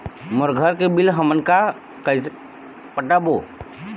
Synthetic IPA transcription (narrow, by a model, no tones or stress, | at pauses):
mʊɾɡʱəɾkebɪlɦəmənka | kəɪs | pəʈabo